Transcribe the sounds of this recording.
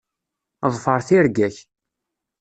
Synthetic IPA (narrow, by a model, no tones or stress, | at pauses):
ðˤfəɾˤθiɾɡæç